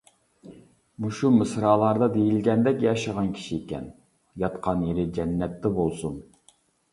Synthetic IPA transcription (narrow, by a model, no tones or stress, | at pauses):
muʃumɨsɾɑːlˠɑɾd̪ɑd̪ejilɡʲɛnd̪ɛkʲjɑʃəʁɑnkʲʰi̥ʃiːkʲɛ̰n | jɑt̪qʰɑnjeɾɪd͡ʒɛnːɛt̪ːɛbolˠsun